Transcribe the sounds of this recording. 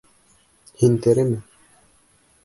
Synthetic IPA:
hint̪eɾɘmɘ

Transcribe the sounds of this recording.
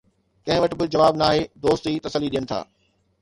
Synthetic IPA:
kɐ̃ɦɪ̃ʋɐʈɪ̆bɪd͡ʑɐʋaːbnaːɦeːd̪oːst̪it̪ɐsəlːiɗijənɪt̪ʰa̰ː

